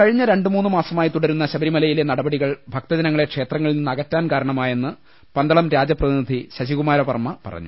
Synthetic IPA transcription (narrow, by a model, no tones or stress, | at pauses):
kɐɻiɲːɐɾe̞ɳɖɨmuːnːɨmaːsɐmaːjit̪uɽɐɾunːɐɕɐbɐɾimɐlɐjile̞nɐɽɐbɐɽiɣɐɭbʱɐk̚t̪ɐd͡ʑɐnɐŋːɭe̞kʂe̞ːt̪rɐŋːɐɭninːɐɣɐtːaːnkaːɾɐɳɐmaːje̞nːɨ | pɐnd̪ɐɭɐmɾaːd͡ʑjɐprɐðinid̪ʱiɕɐɕiɣumaːɾɐpɐ̰rmːɐpɐ̰rɐ̰ɲːṵ